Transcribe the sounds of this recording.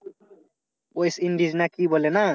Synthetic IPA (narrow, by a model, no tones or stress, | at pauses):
ojsiɳɖiznakibolena